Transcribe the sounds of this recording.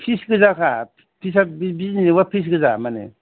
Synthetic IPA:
pʰisɡɯzakʰa | pʰis̬abibizniwapʰis̬ɡɯzamanḛ

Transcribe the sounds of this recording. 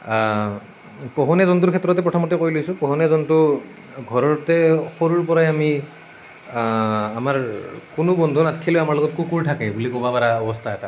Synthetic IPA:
pɔɦɔnɛzɔnt̬uɹkʰɛtːɹɔtɛpɹɔtʰɔmɔtɛkoɹjlojsʊ̃pɔɦɔnɛzɔntu | ɡʱɔɹɔɹtɛxoɹuɹpɔɹajami | amaɹkʊnʊbɔndʱunatkʰilojamaɹlɔɡɔt̚kukuɹtʰakɛbulikobapaɹaɔbɔstʰaɛta

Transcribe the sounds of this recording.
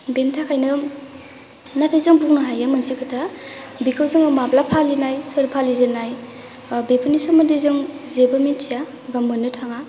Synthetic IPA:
bentʰakʰajnɯ | natʰajzɯŋbuknɯɦajɯmɯnsikʰɯtʰa | bikʰawzɯŋɯmaplapʰalinajsɯɾpʰalizɯnaj | bepʰɯnisɯmɯndizɯŋzebɯminsija | bamɯnːɯtʰaŋa

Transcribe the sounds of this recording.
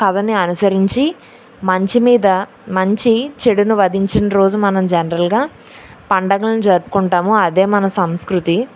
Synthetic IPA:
kɐd̪ɐniɐnusɐɾiɲt͡ʃi | mɐɲt͡ʃimiːd̪ɐ | mɐɲt͡ʃit͡ʃeɽunuʋɐd̪iɲt͡ʃinɾo̞ːd͡ʒumɐnɐmd͡ʒɐnɐɾɐlɡaː | pɐɳɖɐɡɐlnid͡ʒɐɾupu̥kuɳʈaːmuɐd̪eːmɐnɐsɐmskɾut̪i

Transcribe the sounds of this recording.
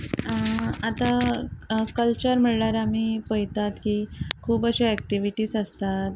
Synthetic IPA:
at̪a | kəlt͡ɕəɾm̤əɽɭaɾamiːpəjt̪at̪kikʰuːbəɕeɛk̚ʈiʋiʈiːsəst̪at̪̚

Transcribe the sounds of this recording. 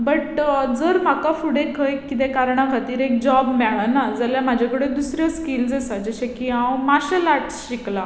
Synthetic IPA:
bəʈd͡zəɾm̤akafuɽekʰəjkːit̪̬ɛ̃kaɾɳakʰat̪iːɾek̚d͡ʑɔbmɛɭanad͡zaljamad͡ʑʱakəɽed̪usɾjaskiːld͡zasad͡ʑəɕekiɦãwmaɕəlaʈsɕikla

